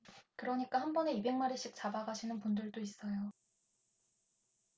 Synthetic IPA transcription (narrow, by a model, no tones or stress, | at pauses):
kɯɾʌɲik͈ahanbʌne̞ibe̞ŋmaɾeɕ͈ik̚t͡ɕ͈abaɡaɕʰinɯnpundɯɭdois͈ʌjo